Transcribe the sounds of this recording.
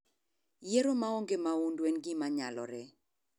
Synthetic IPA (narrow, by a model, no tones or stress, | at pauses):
jeɾomaoŋɡemaundwɛnɡɪmaɲalɔ̰ɾɛ